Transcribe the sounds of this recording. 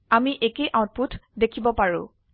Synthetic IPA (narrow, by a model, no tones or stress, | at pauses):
amiʔekeʔãʊ̃t̚putʰdekʰibɔpaɹʊ̰̃